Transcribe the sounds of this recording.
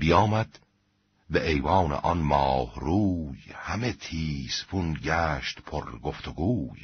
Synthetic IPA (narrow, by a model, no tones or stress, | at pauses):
bijɑːmæd̪̥ | beʔejvɑːnḛʔɒnmɒːhruːjhæmet̪ʰiːsfunɟæːʃt̪pʰoɾɡoft̪ʰoɡuːj